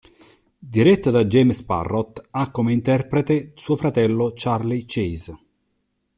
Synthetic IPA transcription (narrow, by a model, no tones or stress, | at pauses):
d̪iɾɛt̪ːod̪ad͡ʒːɛːmspa̰rːɔt̪akːomeint̪ɛrpɾet̪esuːofɾat̪ɛlːot͡ʃarlit͡ʃiz